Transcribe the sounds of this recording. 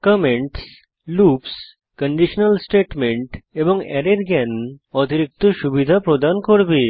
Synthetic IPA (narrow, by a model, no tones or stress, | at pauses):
kəmeɳʈs | lups | kəɳɖiʃnəlsʈeʈmeɳʈeboŋɛ̰ɾeɾɡɛnot̪iɾik̚t̪oʃubid̪ʱapɾod̪ankoɾbe